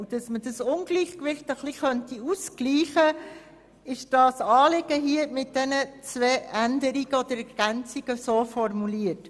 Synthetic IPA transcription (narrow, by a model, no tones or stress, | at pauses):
d̥ɑsmədɑsʊnɡliːχkʋɪχtəχliχœntiuskliːχə | ɪʃd̥ɑːsɑːlɪɡəɦiəmɪt̚d̥ɛnət͡sʋɛːændəɾiɡ̥əɔd̥̪əɾɛɾɡ̥ænt͡siɡ̥əsoːfɔɾmuliət